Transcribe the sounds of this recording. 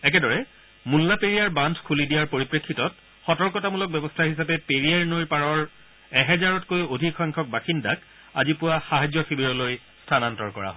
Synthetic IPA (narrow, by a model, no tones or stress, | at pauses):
ɛk̬ɛdɔɹɛ | mulːapeɹijaɹbandʱkʰulidijaɹpoɹipɹekʰːitɔt | xɔtɔɹkɔtamulɔk̚bɛbɔstʰaɹhisapɛpeɹiaɹnojɹpaɹɔɹ | ɛɦɛzaɹɔtkojodʱikʰɔjŋkʰɔk̚baxindak̚ | a̰zipʊwaxaɦad͡ʑjɔxibiɹɔloj | stʰanantɔɹkɔɹa̰ɦɔ